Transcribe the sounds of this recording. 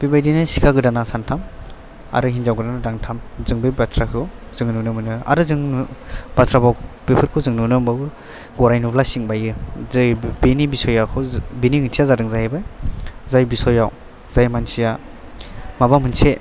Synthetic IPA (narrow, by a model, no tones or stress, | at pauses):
bibajdinɯsikʰaɡɯdanasantʰam | a̰ɾɯɦinzawɡɯdanadaŋtʰamzɯŋbebatʰɾakʰɯ | zɯŋnunɯmɯnɯa̰ɾɯzɯŋbatɾabawbepʰɯɾkʰɯzɯŋnunɯmbawɯ | ɡɔɾajnublasiŋbajɯzbenibisɔjakʰɯbiniŋɯntʰijazadɯŋzajajbajzajbisɔjaw | z̥ajmansija | mabamɯnse